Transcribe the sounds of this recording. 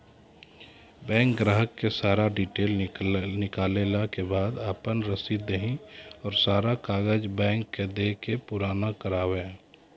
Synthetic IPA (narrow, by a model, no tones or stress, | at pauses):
bɛ̃ːŋk̚ɡɾaːɦəkːesaːɾaɖiːʈeːlnɪkaːlelakebaːd̪aːpənɾəsid̪əɦĩɔːɾsaːɾakaːɡəd͡ʒbɛ̃ːŋkːed̪eːkepʊɾaːnakəɾaːwẽː